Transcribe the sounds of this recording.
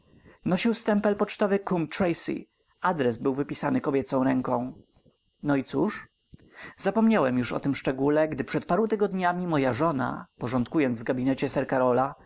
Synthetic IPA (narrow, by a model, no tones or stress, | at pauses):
nɔɕiwst̪ɛmpɛlpɔt͡ʂt̪ɔvɘkumt̪ɾɛjsḭ | ad̪ɾɛsbɘwvɘpʲisanɘkɔbʲjɛt̪sɔ̃w̃ɾɛŋkɔ̃w̃ | nɔit̪suʂ | z̥apɔmɲawɛmjuʂɔ̰t̪ɘmʂt͡ʂɛɡulɛɡd̪ɘpʂɛt̪̚paɾũt̪ɘɡɔd̪ɲamʲimɔjaʐɔna̰pɔʐɔnt̪kujɔnzvɡabʲinɛt͡ɕɛsɛɾkaɾɔla